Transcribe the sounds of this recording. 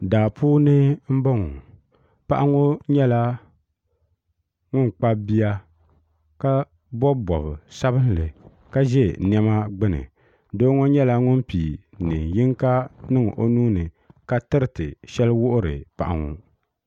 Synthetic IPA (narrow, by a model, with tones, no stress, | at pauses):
daː˨puː˦nɨ˦m̩˦bɔ˦ŋu˨ | pa˦ʔa˦ŋo˦ɲɛ˦la˦ | ŋʊ˦n˨k͡pa˦bi˦ja˦ | ka˦ | bɔ˦bɔ˨bɨ˨sa˦βɨ˦n˦lɨ˨ | ka˦ʒɛ˦˨n˨˦ɛ˦ma˦ɡ͡bɨ˦nɨ̰˨ | doː˦ŋo˦ɲɛ˦la˦ŋʊ˦n˦pi˨ | nɨ˨ji˦ŋka˦nɨ˦ŋ̰˨ʔo˦nuː˦nɨ˨ | ka˦tɨ˦ɾɨ˦˨tɨ˨ʃɛ˦lwʊ˦ʔʊ˦ɾɨ̰˨pa̰˨ʔa̰˨ŋu˨